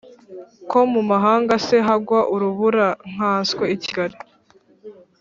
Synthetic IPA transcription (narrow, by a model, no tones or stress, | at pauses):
ko̞mumaɦaːŋɡase̞ɦaɡwaʔuɾuβuɾaŋ̥aːskweici̥ɡaɾi